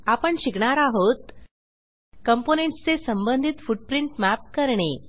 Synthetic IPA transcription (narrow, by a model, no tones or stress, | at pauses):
apəɳɕikɳaɾaɦot̪ | kəmponeɳʈt͡sesəmbənd̪ʱit̪fuʈ̚pɾiɳʈmæp̚kəɾɳe